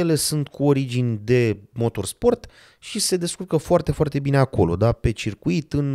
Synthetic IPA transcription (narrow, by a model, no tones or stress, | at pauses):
jele̞sunt̪kʰuo̞ɾid͡ʒinʲd̪e̞mo̞t̪o̞rspo̞rt̪ | ʃise̞d̪e̞skurkəfoart̪e̞foart̪e̞bine̞ako̞̰lo̞̰d̪ape̞t͡ʃirkuit̪ɨn